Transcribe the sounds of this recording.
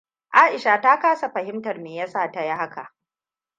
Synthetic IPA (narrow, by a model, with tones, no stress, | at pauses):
ʔaː˦ʔɪ˨ʃa˨ta˦kaː˦sa˨ɸɐ˨ɦɪ˦mtɐ˨rmeː˨jɐ˦saː˦˨ta˦ja˦ha˦ka̰˨ʔ